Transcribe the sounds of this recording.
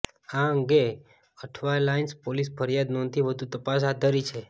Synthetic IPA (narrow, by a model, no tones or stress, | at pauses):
aəŋɡe | əʈʰʋajlainspolispəɾjad̪nɔnt̪ʰiʋəd̪ʱũt̪əpas̬ɦad̪ʱːəɾit͡ʃʰe